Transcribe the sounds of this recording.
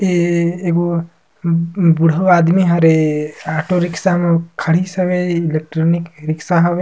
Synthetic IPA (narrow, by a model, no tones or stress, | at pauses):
eeko | buɽ̤ʱɐʋaːd̪miɦaɾeaːʈoɾiksamekʰɐɽisɐʋeilek̚ʈɾoːnikɾiksaɦɐʋe